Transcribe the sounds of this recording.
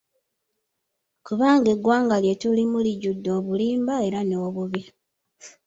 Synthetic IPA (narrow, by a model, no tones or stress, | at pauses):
kuβaːŋɡe̞ɡwaːŋɡaljetulimuliɟudːo̞ːβuliːmbae̞ɾanoːβuβi